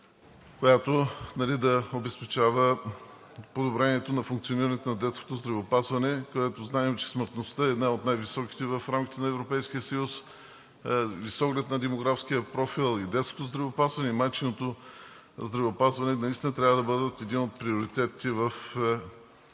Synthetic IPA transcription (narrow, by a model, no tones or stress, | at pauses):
kojat̪onɐlid̪ɐobɛspɛt͡ʃavə | pod̪obɾɛniɛt̪onɐfuŋk̚t̪sioniɾɐnɛt̪onɐd̪ɛt̪sko̥t̪ozd̪ɾɐvɛopazvɐnɛkod̪ɛt̪oznaɛmɛt͡ʃɛ̥sməɾt̪nost̪əɛːd̪naot̪najvisɔki̥t̪ɛvɐfɾamk̟ʲi̥t̪ɛnɐɛvɾopɛjsk̟ijəsəjus | visɔɡlɛt̪nɐd̪ɛmoɡɾafsk̟iəpɾɔfilˠid̪ɛt̪skot̪ozd̪ɾɐvɛopazvɐnɛimajt͡ʃinot̪o | zd̪ɾɐvɛopazvɐnɛnɐist̪inət̪ɾʲavəd̪ɐbɤd̪ət̪ɛd̪inot̪̚pɾioɾit̪ɛt̪ivɐf